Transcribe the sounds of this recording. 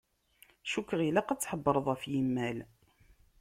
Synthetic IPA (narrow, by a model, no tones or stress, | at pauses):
ʃukːəʁilaqæt͡sːħəbːəɾˤəðˤæfjimːæl